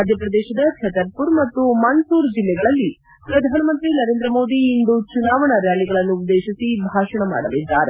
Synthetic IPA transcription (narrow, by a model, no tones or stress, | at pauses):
d̪ʱjɐpɾɐd̪ɛːʃɐd̪ɐt͡ʃʰɛt̪ɐɾpuɾmɐt̪ːumɐnsuːɾd͡ʒilːɛɡɐɭɐlːi | pɾɐd̪ʱaːnɐmɐnt̪ɾinɐɾeːnd̪ɾɐmo̞ːd̪iːnd̪ut͡ʃunaːʋɐɳɐɾjaːliɡɐɭɐnːuːd̪ːeːʃisibʱaːʂɐɳɐma̰ːɽɐlid̪ːaːɾe